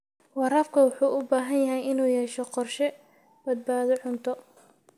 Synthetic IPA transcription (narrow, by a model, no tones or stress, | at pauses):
wɑɾɐfkʰɐwʊħuːʔʊbaːɦɐnjɐɦɛjɪnuːjɛːʃɔqɔrʃɛ | bɐd̪̚baːðɔʕʊnt̪ʰɔ